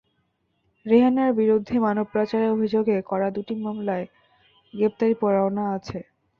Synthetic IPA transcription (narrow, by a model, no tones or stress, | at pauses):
ɾeɦanaɾbiɾod̪ʱːemanob̚pːɾat͡ɕaɾeobʱid͡ʑoɡekɔɾad̪uʈimamlae | ɡɾep̚t̪aɾipɔɾaonaat͡ɕʰe